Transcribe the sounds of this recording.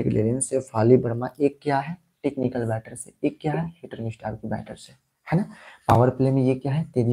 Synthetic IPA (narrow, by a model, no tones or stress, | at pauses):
eklḛːɾiənsefʰaːlibɐɾmãʔeːkːjaɦɛ | ʈeːknɪkəlbɛːʈəɾsḛeːkːjaɦɛhiʈəɾnɪsʈaːɾkibɛ̰ːʈəɾse | hɛnapa̰ːʋəɾplemẽjekjaːɦɛt̪eːɾi